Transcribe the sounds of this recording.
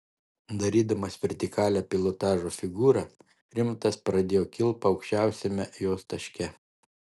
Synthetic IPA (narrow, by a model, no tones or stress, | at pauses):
d̪ɐɾʲiːd̪ɐmɐsʋʲɛɾʲt̪ʲɪkɑːlʲæpʲɪlˠɔt̪ɑːʒoːfʲɪɡuːɾɐ | ɾʲɪmt̪ɐspɾɐd̪ʲeːjoːkʲɪlˠpɐɒʊkʃʲt͡ʃʲæˑʊsʲɛmʲɛjoːst̪ɐʃʲkʲɛ